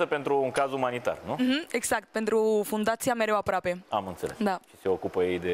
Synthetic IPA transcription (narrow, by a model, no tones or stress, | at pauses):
səpe̞nt̪ɾuːŋkazumanit̪a̰rnum̩ɦ̩e̞ɡz̥ak̚t̪̚pent̪ɾufund̪at̪sijame̞ɾewapɾoape̞amɨnt̪se̞lesd̪aʃi̥se̞o̞kupəjejd̪e̞